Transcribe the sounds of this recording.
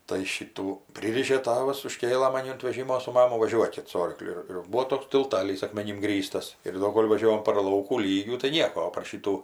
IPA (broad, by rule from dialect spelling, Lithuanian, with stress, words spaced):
tɐɪ ˈʃʲiːtuː ˈpʲrʲiːrʲɪʃʲeː ˈtɑːʋɐs ʊˈʃʲkʲeːlˠɘ mɐˈnʲɪ ʊnt ʋʲɛˈʒʲɪmoː sʊ ˈmɑːmʊ ʋɐˈʒʲuɔkʲɪt sʊ ˈoːrklʲʊ ɪr ˈbuːoː ˈtoːks tʲɪlˠˈtɑːlʲiːs ɐkmʲɛˈnʲɪm ˈɡrʲiːstɐs ɪr ˈdoː ˈkoːlʲ ʋɐˈʒʲoːʋoːm pɐr ˈlˠɐʊkuː ˈlʲiːɡʲuː tɐɪ ˈnʲiɛkoː oː pɐr ˈʃʲiːtuː